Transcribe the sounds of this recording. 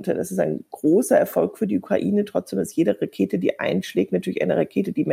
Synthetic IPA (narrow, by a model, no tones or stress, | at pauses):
tədasɪstaɪnɡ̥ʁoːsɐɛɐfɔlkfyːɐdiːukʁ̥a̰ʔiːnətʁ̥ɔt͡sd̥eːmɪstjeːɾɐʁakʰeːtədiːʔa̰ɪnʃlɛːk̚tnatʰyːɐlɪçʔa̰ɪnəʁakʰeːtəd̥iːm